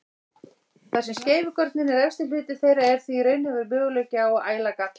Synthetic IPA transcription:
θaðsɛmsceːjvʏkœɾt̪nɪnɛɾɛfst̪ɪpɪːt̪ɪ̥θejɾaɛɾ̥θvireɥnhɛvʏɾmʏːɣʏlœɥcaɔɣaːjlaka

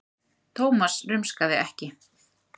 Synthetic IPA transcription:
t̪ʰoːwmasrʏmskaðɪɛhcɪ

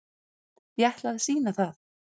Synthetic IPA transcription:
jɛht̪laɣðɪsiːnaθaθ

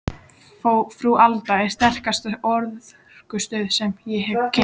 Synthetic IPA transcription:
fofɾuʔalt̪aɛɾ̥st̪ɛr̥kast̪aɔɾðð̥ | kʏst̪œːðsɛmjɛɦɛcʰe

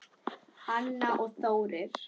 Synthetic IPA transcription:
hanːaʔɔɣθoːwɾɪɾ̥

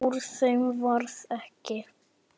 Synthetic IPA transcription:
uɾsɛmvaɾθɛhcɪ

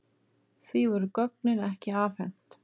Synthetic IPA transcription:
θvivɔɾʏkɔk̚nɪnɛhcɪaːfɛn̥t̪

